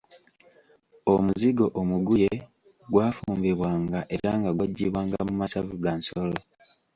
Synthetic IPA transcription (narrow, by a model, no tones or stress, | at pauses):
omuziɡo̞ʔomuɡuje̞ | ɡwaːfuːmbeβwaːŋɡaʔe̞ɾaŋɡaɡwaɟːḭːβwaːŋɡamumasavuɡansolo